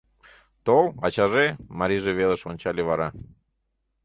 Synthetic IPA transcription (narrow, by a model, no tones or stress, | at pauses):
t̪olˠɑ̰t͡ɕɑʒemɑɾʲiʒeβeðəʃonʲt͡ɕɑlʲeβɑɾɑ